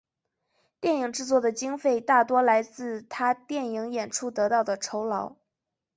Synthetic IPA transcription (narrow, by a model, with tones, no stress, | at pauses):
t̪jɛ˥˩ni˨˩ŋʈ͡ʂɻ̩˥˧t͡swɔ˥˩d̪ə˩t͡ɕi˥ŋfe˥˧ɪt̪a˥˩t̪wɔ˥la˧˥ɪt͡sɹ̩˥˩t̪ʰa˥t̪jɛ˥˩ni˧˥ŋjɛ˨˩nʈ͡ʂʰu˥˩t̪ɤ˧˥t̪ɑ˥˩ʊd̪ə˩ʈ͡ʂʰo˧˥ʊlɑ˧˥ʊ